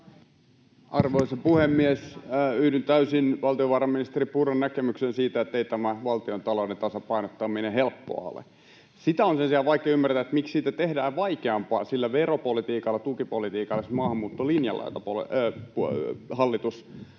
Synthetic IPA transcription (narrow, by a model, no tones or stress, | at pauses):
ʔɑrʋoisɑpuhemːiesyːdynt̪æysinʋɑlt̪ioʋɑːrɑmminist̪eripurɑnnækemyksensiːt̪æet̪ːeit̪æmæʋɑlt̪iont̪ɑloudent̪ɑsɑpɑinot̪ːɑminehelpːo̰ɑ̰o̰lḛ | sit̪æonsensiɑlʋɑikeːymːært̪æet̪mikssiːt̪æt̪ehdæːʋʋɑikeɑmpɑ̰ːsilːæʋeropolit̪iːkɑlːɑt̪ukipolit̪iːkɑlːˑesmɑːhɑmːuːt̪ːolinjɑ̰lɑ̰it̪ɑpo̰l̰phɑlːit̪us